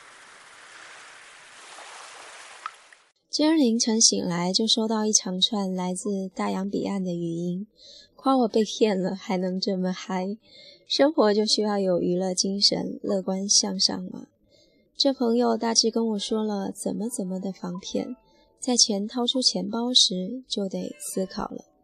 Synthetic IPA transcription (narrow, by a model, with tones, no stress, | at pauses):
t͡ɕə˥˩li˧˥ŋʈ͡ʂʰɤ˧˥ŋɕḭ˨˩ŋla˧˥ɪt͡ɕjo˥˩ʊʂo˥ʊt̪ɑ˥˧ʊi˥˩ʈ͡ʂʰɑ˧˥ŋʈ͡ʂʰwa˥˩nla˧˥ɪt͡sɹ̩˥˧t̪a˥˩jɑ˧˥ŋpḭ˨˩a˥˩nd̪ə˩y˧˥i˥nkʰwa˥wɔ˨˩pe˥˧ɪpʰjɛ˥˩nlə˩xa˧˥ɪnɤ˧˥ŋʈ͡ʂɤ˥˩mə˩xa˥ɪ | ʂɤ˥ŋxwɔ˧˥t͡ɕjo˥˧ʊɕy˥jɑ˥˩ʊjo˨˩ʊy˧˥lɤ˥˩t͡ɕi˥ŋʂə̰˧˥nlɤ˥˩kwa˥nɕjɑ˥˧ŋʂɑ̰˥˩ŋmə̰˩ | ʈ͡ʂɤ˥˩pʰɤ˧˥ŋjo˧ʊt̪a˥˧ʈ͡ʂɻ̩˥˩kə˥nwɔ˨˩ʂwɔ˥lə˨t͡sə̰˨˩nmə˦t͡sə˨˩nmə˨d̪ə˨fɑ˧˥ŋpʰjɛ̰˥˩n | t͡sa˥˩ɪt͡ɕʰjɛ˧˥nt̪ʰɑ˥ʊʈ͡ʂʰu˥t͡ɕʰjɛ˧˥npɑ˥ʊʂɻ̩˧˥t͡ɕjo˥˩ʊt̪e˨˩ɪsɹ̩˥kʰɑ̰˨˩ʊlə̰˦